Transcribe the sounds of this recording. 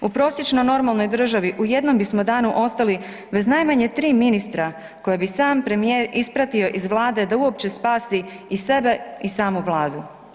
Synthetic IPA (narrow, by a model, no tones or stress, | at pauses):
upɾo̞sje̞t͡ʃnojno̞ɾmalˠno̞jd̪r̩ʒaʋiʔuje̞d̪no̞mbismo̞d̪aːnuʔo̞st̪ali | be̞znajmaɲet̪ɾiːminist̪ɾa | ko̞jebisaːmpɾe̞mijeːɾispɾat̪io̞ʔizʋlˠaːd̪e̞d̪auo̞pt͡ɕe̞spaːsiise̞be̞isaːmuʋlˠaːd̪u